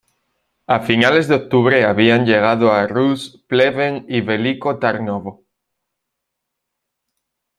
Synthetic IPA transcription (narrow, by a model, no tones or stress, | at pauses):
afinale̞zðeok̚t̪uβ̞ɾeaβianʎeɣ̞aðoaruspleβeŋiβelikot̪aɾnoβo